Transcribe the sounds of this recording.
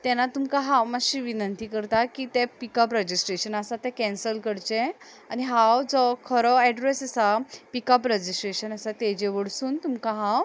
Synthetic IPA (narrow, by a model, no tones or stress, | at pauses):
t̪ɛnat̪umkaɦawmaɕiːʋinənt̪iːkəɾt̪akiːt̪epikəpɾəd͡ʑisʈɾeɕənasat̪ɛkɛ̃nsəlkəɽt͡ɕẽ | aniɦawd͡zɔkʰəɾɔɛɖɾesəsapikəpɾəd͡ʑisʈɾeɕənasat̪ed͡ʑeʋəɽsuːnt̪umkaɦãw